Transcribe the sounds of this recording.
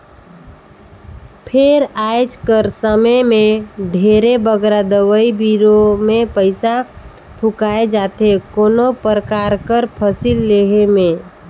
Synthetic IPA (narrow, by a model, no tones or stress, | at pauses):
pʰeɾajd͡ʒkəɾsəməmẽɖʱeɾebəɡɾad̪əwəibiɾomepəɪsa | pʰukaed͡ʒaːt̪ekoːnopɾəkaɾkəɾpʰəsilːeɦemẽ